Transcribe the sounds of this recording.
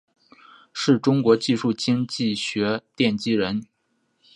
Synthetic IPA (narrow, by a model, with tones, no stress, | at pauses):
ʂɻ̩˥˩ʈ͡ʂʊ˥ŋkwɔ˧˥t͡ɕi˥˧ʂu˥˩t͡ɕi˥ŋt͡ɕi˥˩ɕɥɛ˧˥t̪jɛ˥˩nt͡ɕi˥ɻə˧˥n